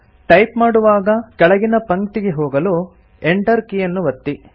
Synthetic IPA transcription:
ʈɐjpmaːɽuʋaːɡɐkɛɭɐɡinɐpɐŋkt̪iɡeɦoːɡɐlu | eɳʈɐɾkijɐnːuʋɐt̪ːi

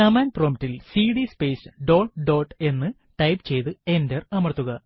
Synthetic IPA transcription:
ɐmaːnproːmitːilsiːɽispeːsɖo̞ːʈɖo̞ːʈe̞nːɨ | ʈɐjpt͡ɕe̞jt̪ɨe̞nderɐmɐrt̪ːuɣɐ

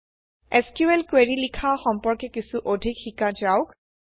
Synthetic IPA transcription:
eskjuelkweɹilikʰaxɔmpɔɹkɛkisuʔodʱikxikad͡ʒaʊk

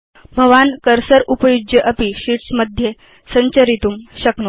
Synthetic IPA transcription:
bʱəʋankəɾsəɾupəjud͡ʒjəʔəpiɕiʈsməd̪ʱje | səɲt͡ɕəɾit̪uːmɕəkno

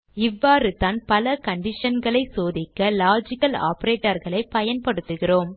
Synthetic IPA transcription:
ɪʋːaːrɯt̪aːnpɐlɐkɐɳɖɪʂɐnɡɐɭɐɪsoːðɪkːɐlaːd͡ʒɪkːɐla̰ːpɐɾeːʈːɐɾɣɐɭɐɪpɐjɐnpɐɽɯt̪ːɯɣɪroːm

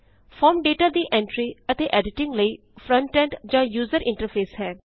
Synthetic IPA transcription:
fʰɔːɾmɖeːʈaːd̪iːʔɛ̃ːɳʈɾiːət̪eːʔɛːɖɪʈɪ̃ŋɡləiː | pʰɾə̃ɳʈɛ̃ːɳʈd͡ʒãːjuːzəɾɪ̃ɳʈəɾpʰeːsɦɛː

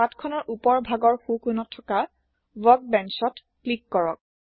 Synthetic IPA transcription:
atkʰɔnɔɹʔupɔɹbʱaɡɔɹxukunɔtʰːɔka | vɔk̚bɛnsɔt | klikːɔɹɔk̚

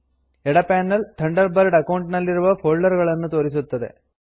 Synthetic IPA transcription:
ɛɽɐpaːnːɐlt̪ʰɐɳɖɐɾbɐɾɖɐkɐwɳʈnɐlːiɾuʋɐpʰoːɭːɐɾɡɐɭɐnːut̪o̞ːɾis̬ut̪ːɐd̪e̞̰

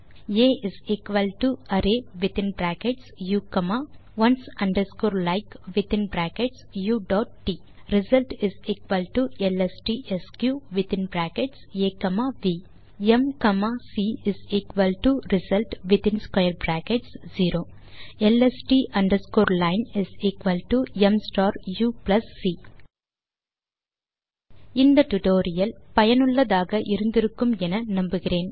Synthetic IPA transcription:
eːizikʋɐlʈuɐɾeːʋit̪ĩnbɾaːkeʈsjuːkɐmaʋɐnsɐ̃ɳɖəɾskoːɾlaɪkʋit̪ĩnbɾaːkeʈsjuːɖɔːʈ̚ːiː | ɾizɐlʈizikʋɐlʈuelesʈiːʔeskjuːʋit̪ĩnbɾaːkeʈseːkɐmaʋiː | emkɐmasiɪsikʋɐlʈuɾɪsɐlʈʋɪt̪ɪnskwɐjɐɾbɾaːkɛʈsd͡ʒiːɾoː | ɛlɛsʈiːʔɐɳɖɐɾskoːɾlɐɪnɪsikʋɐlʈuɛmsʈoːɾjuːplɐsːiː | ɪnd̪ɐʈʊʈoːɾɪjɐlpɐjɐnɯɭːɐðaːɣɐʔɪɾɯnd̪ɪɾɯkːɯmɛnɐnɐmbɯɣɪɾeːn

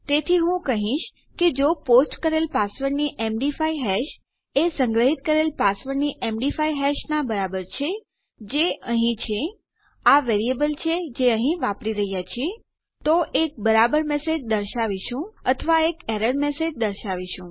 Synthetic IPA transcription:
t̪et̪ʰiɦũkəɦĩʃ | ked͡ʒoposʈkəɾelpasʋəɾniʔemɖifaiɦɛʃ | esəŋɡɾəɦit̪̚kəɾelpasʋəɾniʔemɖifaiɦɛʃnabəɾabəɾt͡ʃʰe | d͡ʒeəɦĩt͡ʃʰe | aʋeɾiebəlt͡ʃʰed͡ʒeəɦĩʋapɾiɾəɦjat͡ʃʰie | t̪oʔek̚bəɾabəɾmesed͡ʒd̪əɾʃaʋiʃũət̪ʰəʋaekɛɾəɽmesed͡ʒd̪əɾʃaʋiʃũ

